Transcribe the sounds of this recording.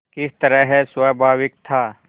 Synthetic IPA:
kɪst̪əɾəɦɛswabʱaːʋɪk̚t̪ʰaː

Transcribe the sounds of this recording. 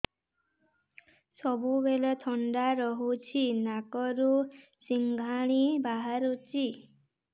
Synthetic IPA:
sɔbubelɔt̪ʰɔɳɖaɾɔɦut͡ʃʰinakɔɾu | siŋɡʱaɽ̃ibaɦaɾut͡ʃi

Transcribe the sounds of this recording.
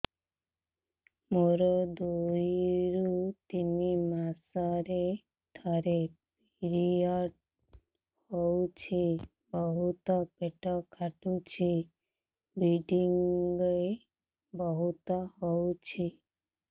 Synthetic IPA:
moɾɔd̪ujiɾut̪inimasɔɾe | d̪ʰʱɔɾepiɾiɔʈ | howt͡ʃʰi | bɔɦut̪ɔpeʈɔkʰaʈut͡ʃʰi | biɖiŋɡɔe | bɔɦut̪ɔɦowt͡ʃʰi

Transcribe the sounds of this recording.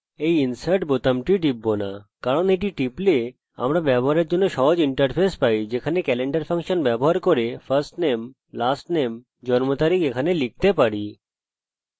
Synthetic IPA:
ejinsaɾʈ̚bot̪amʈiɖibːona̰kaɾonejʈiʈiple | a̰mɾabɛboɦaɾeɾd͡ʑonːoʃɔɦod͡ʑiɳʈəɾpʰespajd͡ʑekʰanekɛleɳɖaɾpʰaŋʃonbɛboɦaɾkoɾefʰɐɾsʈnem | lasʈnem | d͡ʑɔnmot̪aɾikekʰanelik̚t̪epaɽi

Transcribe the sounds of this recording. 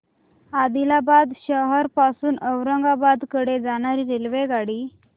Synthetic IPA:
ad̪ilabad̪ɕəɦəɾpasuːnəwɾəŋɡabad̪kəɽed͡zaɽ̃aɾiːɾelʋeɡaɽiː

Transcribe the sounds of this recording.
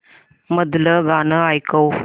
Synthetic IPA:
məd̪ləɡanəajkəw

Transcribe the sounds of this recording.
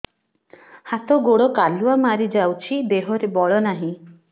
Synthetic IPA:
hat̪ɔɡoɽɔkaluamaɾid͡ʒawt͡ʃʰid̪eɦɔɾebɔɭɔnaɦĩ

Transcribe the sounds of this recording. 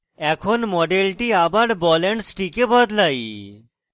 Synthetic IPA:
ɛkʰonmɔɖelʈiabaɽbɔleɳʈsʈikebʱɔd̪laj

